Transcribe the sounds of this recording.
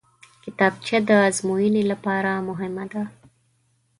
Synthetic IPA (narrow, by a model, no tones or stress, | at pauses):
kɪt̪ɑb̚t͡ʃad̪əazmujinilapɑɾamʊɦɪmad̪a